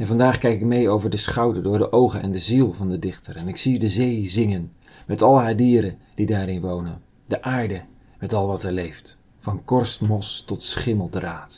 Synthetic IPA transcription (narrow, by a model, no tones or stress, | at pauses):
ɛnvɑndaːχkɛjkɪk̚mejowvəɹdəsχɑwdəɹdʊːɹdəʔowχənʔɛndəzilˠvɑndədɪχtərɛnɪksidəzejzɪŋən | mɛtɑlˠɦaːdiːɾə | d̥idaːɾɪnʋownən | dəʔaːɹdə | mɛtɑlˠʋɑtɛɹlejft | fɑnkɔɹstmɔstɔtsχɪməlˠdraːt